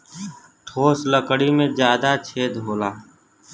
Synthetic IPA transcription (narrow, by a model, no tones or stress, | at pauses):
ʈʰoːsləkɽimẽd͡ʒjaːd̪at͡ʃʰeːd̪ɦoːlaː